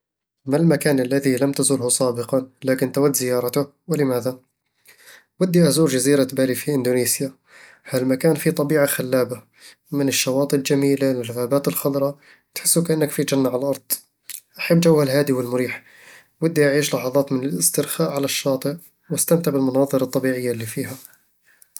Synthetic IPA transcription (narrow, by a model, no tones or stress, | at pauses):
malmakæːnəlːæðiləmt̪azuːlhusˤɑːbəqɑlækənt̪awæd̪ːzəjɑːɾˤɑt̪ʊh | wələmæd̪a | wəd̪ːiʔazulʒaziɾat̪bælifiʔənd̪unisja | hælmakænfit̪ˤɑbiːʕaxælːæːba | mənəʃːɑwɑːt̪ˤəld͡ʒæmiːlawɪlɣabæːt̪əlxɑd̪ˤɾˤɑ | t̪ħə̥sːukʔənːəkfid͡ʒænːaʕallʔɑɾˤd̪̥ˤ | ʔaħəbːd͡ʒawːalɦaæːd̪iwəlmʊɾiːħ | wəd̪ːiʔaʕiːʃlɑħɑðˤɑːt̪mənələst̪ɪɾxaːʔʕalaʃːɑːt̪ˤəʔ | wəst̪amt̪abəlmɑnɑːðˤɨɾˤɑt̪ˤːɑbiʕəjːalːifiːha